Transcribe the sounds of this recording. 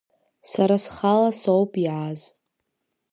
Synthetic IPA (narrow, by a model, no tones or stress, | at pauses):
saɾasχalasowpʼiʕaz